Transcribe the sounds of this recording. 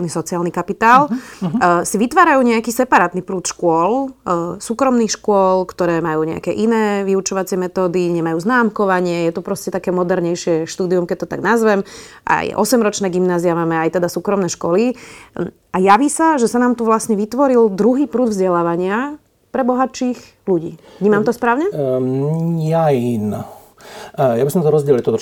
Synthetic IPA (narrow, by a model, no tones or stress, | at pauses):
nisɔt͡siaːlnikapit̪aːl | siʋit̪ʋaːɾajuːɲɛakiːsɛpaɾaːt̪nipɾuːt̪ʃkʊɔlsuːkɾɔmnixʃkʊɔlkt̪ɔɾɛːmajuːɲɛ̰a̰kɛʔinɛːʋiut͡ʃɔʋat͡sɪɛmɛt̪ɔːd̪iɲɛmajuːznaːmkɔʋaɲɪɛjɛt̪upɾɔscɛt̪akɛːmɔd̪ɛɾɲɛjʃɪɛʃt̪uːd̪iumkɛc̚t̪ɔt̪aɡnazʋɛmʔa̰jʔɔ̰sɛmɾɔt͡ʃnɛɡimnaːziamaːmɛajt̪ɛd̪asuːkɾɔmnɛːʃkɔli | ajaʋiːsaʒɛsanaːmt̪uʋlasɲɛʋit̪ʋɔɾild̪ɾuɦiːpɾuːd̪vzɟɛlaːʋaɲɪa | pɾɛbɔɦat͡ʃiːx | luɟḭːvɲiːmamt̪ɔspɾaːʊɲɛ | jain | jabisɔmt̪ɔɾɔzɟɛlilt̪ɔt̪ɔ